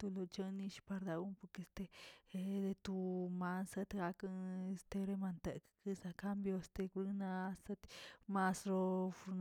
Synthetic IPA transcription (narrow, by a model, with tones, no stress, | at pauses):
t̪u˧lo˧t͡ʃə˦ni˧ʃpa˧ɾd̪a˧u˦po˧ɾke˧st̪e˦˧d̪e˧t̪u˧ma˧nsa˧t̪ɡa˧ka˧e˧st̪e˧ɾe˦˧ma˧nt̪e˨kkɨ˧sa˧ka˦mbjo˧st̪e˧ku˧ɾi˧na˧sa˧t̪ma˧sɾo˧fu˧ɾn